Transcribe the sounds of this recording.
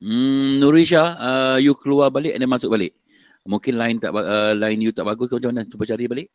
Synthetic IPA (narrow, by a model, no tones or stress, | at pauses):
m̩nuɾiʃaəjukəluarbalɪʔandanmasʊk̚balɪʔ | mũŋkɪnlaɪnt̪aʔaəlaɪnjut̪aʔbaɡʊskmat͡ʃamanat͡ʃubat͡ʃaɾibalɪʔ